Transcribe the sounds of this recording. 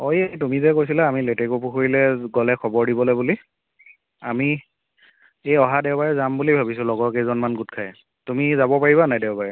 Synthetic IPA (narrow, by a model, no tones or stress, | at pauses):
ojetumizɛkojs̬ilaamiletekopʰuxoɹilɛɡɔlɛkʰɔbɔɹdibɔlojbuli | ami | ejɔɦadɛʊbaɹɛzambulibʱabis̬ʊlɔɡɔkezɔnmanɡutkʰaj | tumizabɔpaɹiβanajdɛʊbaɹɛ